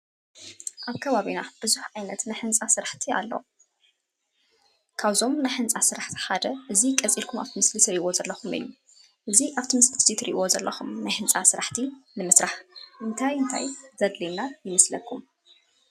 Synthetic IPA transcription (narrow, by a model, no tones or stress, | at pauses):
ʔaβkʰɐβaβinab̥ɨzuħʕajnɐt̪najħɨnt͡sʼasɨɾaħt̪ʰia̰lːo̰ | kʰaβzo̞mnajħɨnt͡sʼasɨɾaħt̪ʰi̥ħad̪ɐʔɨzikʼɐt͡sʼilkʰuma̰βt̪ʰimɨslit̪ɾiʔʔozɐlːɐxumɨ̰jːu | ʔɨziʔaβt̪ʰimɨslit̪zit̪ʰɾḭʔiwo̞zɐlːɐxumnajħɨnt͡sʼasɨɾaħt̪ʰinɨmɨsɾaħɨnt̪ʰajɨnt̪ʰa̰jzɐd̪linajɨmɐslɐkʰːum